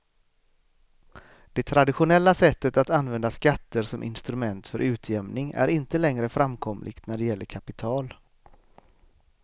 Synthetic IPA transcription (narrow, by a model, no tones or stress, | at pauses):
d̪̥ɛt̪ʰɾad̪ɪɧʊnɛlːasɛt̪ːət̪at̪anvɛnd̪askat̪ːəɾʂɔmʔɪ̰nst̪ɾɵmɛnt̪fœɾʔʉ̟ːt̪ʰjɛmnɪŋæ̰ɾɪnt̪əlɛŋɾəfɾamkʰɔmlʔɪ̰ɡ̥t̪næɖɛjɛlːəɾkʰapɪt̪ʰɑːl